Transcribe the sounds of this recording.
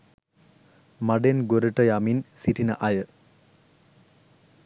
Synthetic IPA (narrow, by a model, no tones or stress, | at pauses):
mɐɖenɡoɾeʈːɐjaːminsiʈinɐʔɐjə